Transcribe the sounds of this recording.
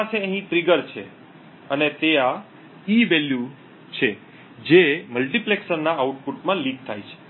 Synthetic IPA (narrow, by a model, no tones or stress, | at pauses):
paseəɦĩt̪ɾiɡəɾt͡ʃʰḛ | ənet̪ea | iʋɛlju | t͡ʃʰe | d͡ʒeməlʈipleksəɾnaauʈ̚puʈmãliɡ̚t̪ʰajt͡ʃʰe̥